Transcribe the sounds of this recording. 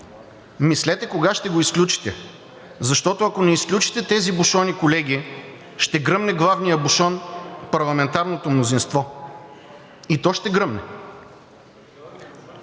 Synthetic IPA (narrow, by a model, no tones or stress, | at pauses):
mislɛt̪ɛkoɡaʃt̪ɛɡoisklʲut͡ʃi̥t̪ɛ | zɐʃt̪ɔt̪oɐkonɛisklʲut͡ʃi̥t̪ɛt̪ɛzibʊʃɔnikolɛɡ̟ʲi | ʃt̪ɛɡɾɤmnɛɡlˠavnijəbuʃɔnpɐɾlˠɐmɛnt̪aɾnot̪omnozinst̪vɔ | it̪ɔʃt̪ɛɡɾɤmnɛ